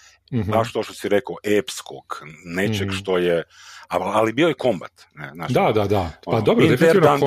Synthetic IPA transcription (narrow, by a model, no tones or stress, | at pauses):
baʃt̪oʃt̪osiɾekʔepskʰoɡ̥net͡ʃeɡʃt̪ojeaalibiojekomba̰t̪nezna̰ːʃd̪ad̪ad̪aopad̪obɾod̪efeian